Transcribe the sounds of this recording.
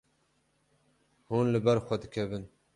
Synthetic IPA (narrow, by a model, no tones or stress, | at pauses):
huːnlɨbɛɾxʷɛd̪ɨkʲʰɛbɨn